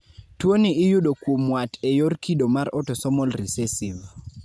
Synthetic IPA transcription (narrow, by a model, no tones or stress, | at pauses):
twoniɪjuɗokwomwatʰɛjorkʰiɗomaɾʔɔtɔsɔmɔlrisɛsiv